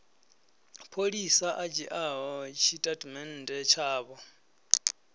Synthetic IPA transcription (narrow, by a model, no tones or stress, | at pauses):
pʰoɺisaʔat͡ʃʼiʔaɦɔt͡ʃʰitʼadmɛn̩tʼɛt͡ʃʰaːβɔ